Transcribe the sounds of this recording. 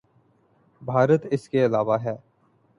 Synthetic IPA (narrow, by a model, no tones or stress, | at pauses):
bʱaːɾət̪ɪskeɪlaːʋaɦɛː